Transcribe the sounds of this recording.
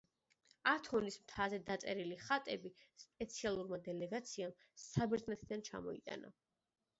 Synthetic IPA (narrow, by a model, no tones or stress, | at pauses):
at̪ʰɔnismt̪ʰazɛd̪at̪sʼɛɾiliχat̪ʼɛbispʼɛt̪sʰialˠuɾmad̪ɛlɛɡat̪sʰiam | sabɛɾd̪znɛt̪ʰd̪ant͡ʃʰa̰mɔḭt̪ʼa̰na̰